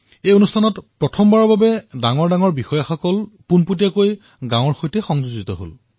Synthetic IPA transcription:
ejonustʰanɔtpɹɔtʰɔmbaɹɔɹbabɛdaŋɔɹdaŋɔɹbixɔjaxɔkɔlpunputijakoj | ɡãw̃ɔɹxojtɛxɔŋzuzitɔɦo̰l

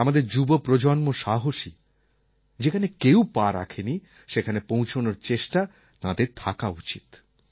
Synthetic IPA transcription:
amad̪eɾd͡ʑubopɾod͡ʑonmoʃaɦoʃi | d͡ʑekʰanekewpaɾa̰kʰeni | ʃekʰanepõw̃t͡ɕʰonoɾt͡ɕeʃʈa | t̪ãd̪eɾt̪ʰakaut͡ɕit̪

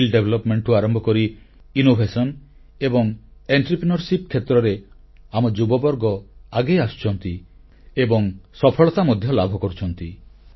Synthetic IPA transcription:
ilɖebʱelɔpmeɳʈuaɾɔmbʱɔkɔɾiː | nobʱesɔn | ebɔŋeɳʈɾipɾinɔɾsipkʰːet̪ɾɔɾe | amɔd͡ʒubɔbɔɾɡɔaɡejast͡ʃʰɔnt̪i | ebɔŋsɔpʰɔɭɔt̪amɔd̪ʱjɔlabʱɔkɔɾut͡ʃʰɔnt̪i

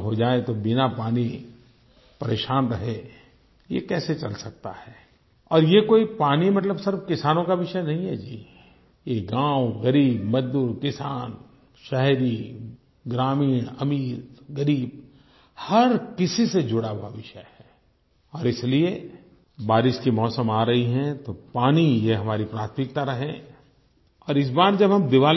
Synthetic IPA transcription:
ɦod͡ʒaːet̪obɪnapaːni | pɐɾeːʃaːnɾɐɦe | jḛkɛːset͡ʃɐlsɐk̚t̪a̰hɛː | ɔːɾjekoːipaːnimɐt̪̬ləbsɪɾbkɪsaːnõkaʋɪʃənɐɦĩɦɛd͡ʒiː | jeɡãːwɣɐɾiːbmɐd͡ʒd̪uːɾkɪsaːn | ʃɛɦɾi | ɡɾaːmiːɽ̃ɐmiːɾɡɐɾiːb̚ | hɐɾkɪsised͡ʒʊɽaɦowaʋɪʃəhɛː | ɔːɾɪslie | baːɾɪʃkimɔːsəmaːɾɐɦiɦɛ̃t̪opaːnijeɦɐmaːɾipɾaːt̪ʰmɪk̚t̪aɾɐɦẽ | ɔːɾɪs̬baːɾd͡ʒɐbɦɐmd̪ɪʋaː

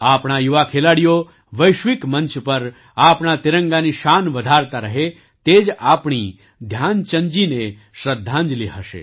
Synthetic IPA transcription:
aːpɳ̃ajuʋakʰelaːɽijo | ʋəjʃʋɪkmə̃nt͡ʃpɐɾ | aːpɳ̃at̪ɪɾə̃ŋɡaniʃaːnʋɐd̪ʱaːɾt̪aɾəɦe | t̪eːd͡ʒaːpɳ̃i | d̪ʱjaːnt͡ʃə̃ɲd͡ʒine | ʃɾəd̪ʱːãnd͡ʒliɦəʃḛː

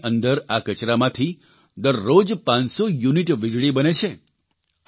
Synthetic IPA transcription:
ʔənd̪əɾakət͡ʃɾamãt̪ʰi | d̪əɾːod͡ʒpãnsojuniʈʋɪd͡ʒɽibənet͡ʃʰe

